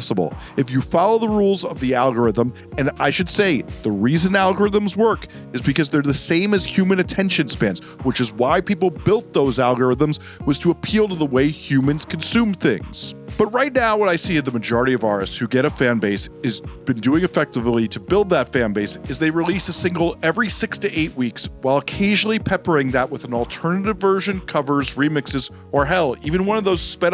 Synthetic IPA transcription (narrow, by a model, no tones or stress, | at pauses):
səbl̩ˠ | ɨfjɨfɑlˠoʊðəɹulˠzʌvðiælˠɡə˞ɪðə̃m | ɨ̃na̰ɪʃɨd̥seɪðəɹizɨ̃nælˠɡə˞ɨðə̃mzwɜ˞k | ɨzbɨkʌzðə˞ðɨsẽɪ̃mɨz̥hj̥ʉmɨ̃nɨtʰɛ̃nʃɨ̃nspæ̃nz | wɨt͡ʃɨzwaɪpip̬l̩ˠbɪlˠt̪̚ðoʊzælˠɡə˞ɪðə̃mz | wʌz̥tʰɨəpʰilˠtəðəweɪhjʉmɨ̃nz̥kʰn̩sʉ̃mθɪ̰̃ŋz̥b̥ʌt̚ɹaɪtⁿnaʊwʌɾaɪsiɨzðɨmɨd͡ʒɔɹɨɾiʌvɑɹɨ̰stshʉɡɛɾɨfæ̃nbeɪsɨzb̥ɨ̃ndʉɪ̃ŋɨfɛk̚təvlˠiɾɨbɪlˠd̪̚ðətfæ̃nbeɪsɨzðeɪɹilisɨsɪ̃ŋɡl̩ˠɛvɹisɪkstʰɨʔeɪʔ̚wikswaɪlˠəkʰeɪʒnl̩ˠipʰɛpə˞ɪ̃ŋðəʔ̚wəðn̩ɔl̩ˠtʰɜ˞nɨɾɨvɜ˞ʒɨ̃nkʰʌvə˞zɹimɪksɨz | ə˞ɦɛlˠivɨ̃nwʌ̃nʌvðoʊz̥spɛɾ